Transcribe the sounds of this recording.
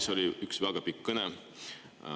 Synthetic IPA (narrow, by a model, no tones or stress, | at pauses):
so̞lʲiyksvæɡ̥ɑpikːɤnɛ